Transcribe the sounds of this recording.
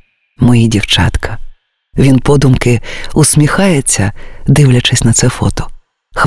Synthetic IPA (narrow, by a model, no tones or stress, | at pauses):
mɔjidʲiwt͡ʃɑ̰t̪kʰɐ | ʋʲinpɔd̪ʊmkɪʊsmʲixɑjet͡sʲːɐd̪ɪwlʲɐt͡ʃɪsʲnɐt̪sɛfɔ̰t̪ɔ̥ | x